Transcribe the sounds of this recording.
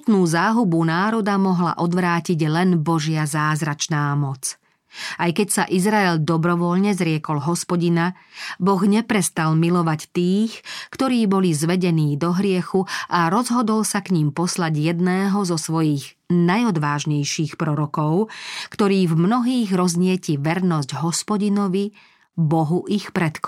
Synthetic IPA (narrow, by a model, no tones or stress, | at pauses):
t̪nuːzaːɦubunaːɾɔd̪amɔɦla̰ʔɔd̪ʋɾaːciɟlɛnbɔʒɪazaːzɾat͡ʃnaːmɔt͡s | ajkɛcsaʔizɾaɛʎd̪ɔbɾɔʋɔʎɲɛzɾɪɛkɔlɦɔspɔɟina | bɔɣɲɛpɾɛst̪almilɔʋact̪iːxkt̪ɔɾiːbɔlizʋɛɟɛniːd̪ɔɦɾɪɛxuʔaɾɔzɦɔd̪ɔlsakɲimpɔslaɟjɛd̪nɛːɦɔzɔsʋɔjiːɣ | najɔd̪ʋaːʒɲɛjʃiːxpɾɔɾɔkɔʊkt̪ɔɾiːvmnɔɦiːɣɾɔzɲɪɛciʋɛɾnɔzɟɦɔspɔɟinɔʋi | bɔɦuʔixpɾɛt̪k